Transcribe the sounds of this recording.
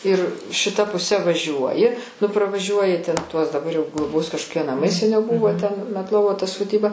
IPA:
ɪr ʃʲɪˈtɐ pʊˈsʲɛ ʋɐˈʒʲuɔjɪ nʊ prɐʋɐˈʒʲuɔjɪ tʲɛn tuɔs dɐˈbɐr jɛʊ ɡlˠoːˈboːs kɐʃkoːˈkʲiɛ nɐˈmɐɪ sʲɛˈnʲɛʊ ˈbʊʋoː tʲɛn mʲɛtˈlˠoːʋoː tɐ soːˈdʲiːbɐ

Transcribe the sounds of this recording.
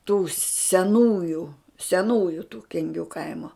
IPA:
tuː sʲɛˈnuːjʊ sʲɛˈnuːjʊ tuː kʲɛŋʲˈɡʲuː ˈkɐɪmoː

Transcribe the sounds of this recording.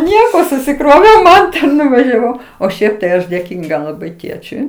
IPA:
ˈnʲiɛkoː sʊsʲɪˈkroːʋʲɛʊ ˈmɐntɐ nʊʋɐʒʲɛˈʋɐʊ oː ˈʃʲɛɪp tɐɪ ˈɐʃ dʲeːˈkʲiːŋɡɐ lˠɐˈbɐɪ ˈtʲeːt͡ʃʲʊɪ

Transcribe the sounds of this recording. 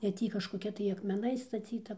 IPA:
ɛ ˈtʲiː kɐʃkoːˈkʲɛ tɐɪ ɐkmʲɛˈnɐɪs stɐˈt͡sʲiːtɐ

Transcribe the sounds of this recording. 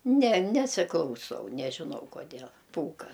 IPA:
nʲɛ ˈnʲæːsʲɪklˠɐʊˌsɐʊ nʲɛʒʲɪˈnɐʊ koːˈdʲeːlˠ ˈpuːkɐ

